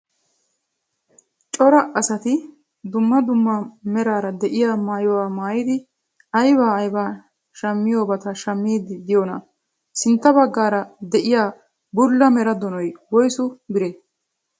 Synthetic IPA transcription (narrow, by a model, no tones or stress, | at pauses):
t͡ʃʼɔɾɐʔɐsɐt̪ɪ | d̪ʊmːɐd̪ʊmːɐmɛɾaːɾɐd̪ɛʔɪjaːmaːjɔwaːmaːjɪd̪ɪ | ɐjbaːjbaː | ʃɐmːɪjoːbɐt̪ɐʃɐmːiːd̪d̪ɪjoːnɐ | sɪnt̪ːɐbɐɡːaːɾɐd̪ɛʔɪjaː | bʊlːɐmɛɾɐd̪ɔnɔjwɔjsʊbɪɾe